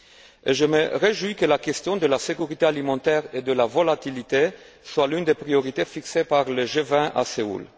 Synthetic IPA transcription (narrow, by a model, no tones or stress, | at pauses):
eʒəməʁeʒwujkəlakɛst̪jɔ̃d̪əlasekyʁit̪ealimɑ̃t̪ɛʁed̪əlavolat̪ilit̪e | swalynd̪epχioʁit̪efiksepaʁləʒevɛ̃ʔa̰seṵl